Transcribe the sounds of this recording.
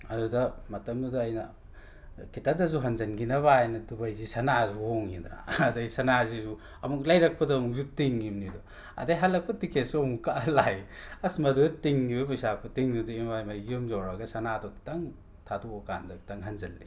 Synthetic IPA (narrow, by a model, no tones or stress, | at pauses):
ɐɾudɐmɐtɐmdudɐːjnɐ | kitadɐzuɦɐnzɐnɡinɐβaajnɐdubajzisɐnazuhoŋind̪ɾa̰ːdajsɐnazizu | ɐmuk̚lajɾɐk̚pɐdɐːmuk̚zutiŋːimnidɔ | ɐ̰dajɦɐlːɐk̚pɐtikʰesomukaʔlajɐsmadutiŋɡibebajsakʰutiŋduduimbajmajumzɔɾɐɡɐsɐnadɔki̥tɐŋ | tʰaduoka̰ndɐtaŋɦɐnzɐlːi